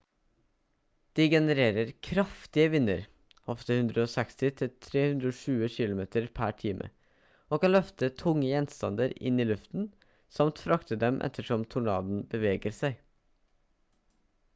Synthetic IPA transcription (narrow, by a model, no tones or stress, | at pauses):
d̪̥iːɡɛnəɾeːɾəɾkʰɾɑft̪ɪəʋɪnːə̰ɾ | hɔft̪əhʉnd̪ɾəoːsɛkst̪ɪt̪ʰɪlt̪ʰɾeːhʉnd̪ɾəoːʂʉːəçɪlʊmeːt̪əɾpʰæʈʰiːmʔə̰ | ʔoːkɑnlœft̪ət̪ʰʊŋːəjɛnst̪ɑ̰nd̪əɾɪ̰niːlʉft̪n̩ | sɑmt̪fɾɑkt̪əd̪ɛmʔɛ̰t̪ʰəʂɔmt̪ʰʊɳɑ̰ːd̪n̩bəʋeːɡəɾsæɪ